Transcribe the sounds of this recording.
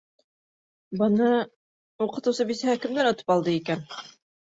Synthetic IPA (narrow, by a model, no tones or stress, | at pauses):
bɤ̆nɤ | uqɤ̆t̪ɤwsɤbisæɦækɘ̆md̪ænŏt̪ɤ̥pɑlˠd̪ɤikæn